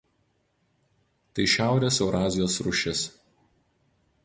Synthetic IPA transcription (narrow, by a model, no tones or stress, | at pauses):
t̪ɐɪʃʲæˑʊɾʲeːsɛʊɾɑːzʲɪjoːsɾʊʃʲɪs